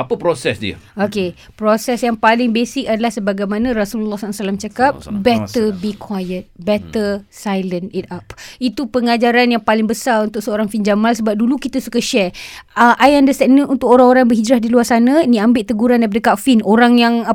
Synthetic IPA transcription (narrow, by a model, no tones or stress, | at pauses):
apəpɾosɛsdiə̰oke | pɾosɛsjaŋpalɪŋbesɪkadalahsəbaɡajmanãɾasullːɔhsasalamt͡ʃakap̚bɛtt̪əbikʰwajət̪̚bɛt̪əsajlənit̪̚apit̪upəŋad͡ʒaɾanjaŋpalɪŋbəsaɾunt̪ʊksəoɾaŋfind͡ʒamalsəbap̚dulukit̪asukaʃɛəʔajandəst̪ɛk̚niunt̪ʊkoɾãŋoɾabəɦid͡ʒɾahdiluarsanãnĩambɪʔt̪əɡuɾandajp̬adəkafinoɾaŋjaŋ